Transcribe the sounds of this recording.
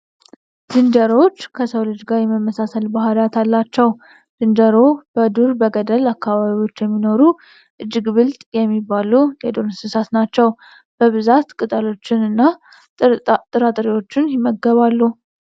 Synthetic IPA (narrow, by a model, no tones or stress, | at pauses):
d̪̥ɨnd̪əɾo̞t͡ʃːkʰəsəwlɨd͡ʒɡaɾjɛməmːəsasəlbaɦalat̪ʰalːat͡ʃːɛw | d̪̥ɨnd̪əɾob̥əd̪uɾbəɡəd̪əlakːaβaβiwo̞t͡ʃːjɛmːino̞ɾu | ʔɨd͡ʒːɨɡβɨlt̪ʼjɛmːibːalujɛd̪o̞nsɨnsat̪nat͡ʃːɛw | b̥əβɨzat̪kʼɨt̪ʼəlo̞t͡ʃːɪnɨnːa | t̪ʼɨɾat̪ʼɾiwo̞t͡ʃːɪnjɪmːəɡːəβalːu